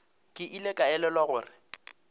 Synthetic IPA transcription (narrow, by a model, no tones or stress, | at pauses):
kʼɪʔilekʼaɛlɛlwaɣʊːrɪ